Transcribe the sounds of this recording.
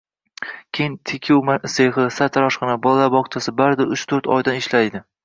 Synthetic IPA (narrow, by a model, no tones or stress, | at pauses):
kʲʰejɪnt̪ʰekʲʰɪwmaseχɨsat̪ʰaɾɒʃqɨnabɒlˠalabɒqt͡ʃʰasɪbaɾd̪ɪɾʊt͡ʃt̪ʰɵɾt̪ʰɒ̰jd̪anɪʃlajd̪ɪ